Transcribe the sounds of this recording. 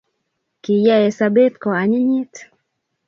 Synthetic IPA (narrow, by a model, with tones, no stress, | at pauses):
ki˨ja˦ɛ˨sabɛ˦t̪kɔ˨aɲɛ˦ɲi˦t